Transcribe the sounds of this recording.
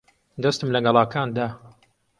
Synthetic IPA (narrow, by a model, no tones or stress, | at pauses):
d̪ɐst̪ɨmlɐɡɐlˠaːkʰaːnd̪aː